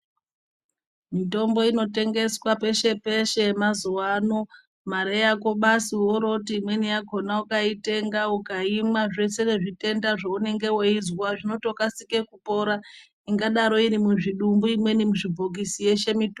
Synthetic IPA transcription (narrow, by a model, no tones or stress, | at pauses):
mito̞mbo̞ino̞te̞ŋɡe̞swape̞ʃe̞pe̞ʃe̞mazuwano | maɾejako̞ɓasioɾo̞tiːmwe̞nijaɡʱo̞naukaite̞ŋɡaukaimwaʐe̞se̞ne̞ʐite̞ndaʐaune̞ŋɡe̞woizwaʐino̞to̞kasike̞kupo̞ɾa | iŋɡaɗaɾo̞iɾimuʐiɗumbuimwe̞nimuʐibʱok̬isije̞ʃe̞mit